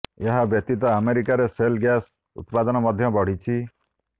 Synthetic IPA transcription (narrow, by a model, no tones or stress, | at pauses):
eɦabjɔt̪it̪ɔameɾikaɾeselɡjas | ṵt̪pad̪ɔnɔmɔd̪ʱjɔbɔɽ̤it͡ʃʰi